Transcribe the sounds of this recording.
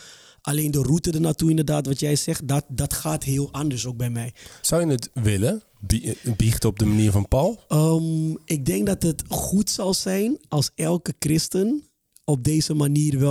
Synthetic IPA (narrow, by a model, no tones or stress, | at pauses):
ʔaleːndərutədənatuɪndərdaːtʋɔtjɛjsɛxdatdɔtxaːtɦɪːlˠʔandəɹsok̚bɛjmɛjsawjənətʋɪlə | bbixtɔb̚dəmaniːɹfɔnpɔlˠəʔɪk̚dɪŋk̚dɑtətxutsɑlˠsɛjnɑlˠsɛlˠkəkrɪstən | ɔp̚deːzəmaniːrʋɛ